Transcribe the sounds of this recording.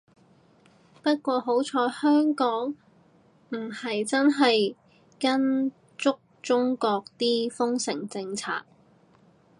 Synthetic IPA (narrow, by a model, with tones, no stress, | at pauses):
pɐ˥t̚kʷɔː˧ɦo˨˥wt͡ʃʰɔː˨˧˥hœː˥ŋkɔː˨˥ŋ | m̩˨˩hɐ˨jt͡sɐ˥nɦɐ˨j | kɐ˥n | t͡sʊ˥k̚t͡sʊ˥ŋkɔː˧k̚t̪iː˥fʊ˥ŋsɪ˨˩ŋt͡sɪ˧ŋt͡sʰa̰ː˧k̚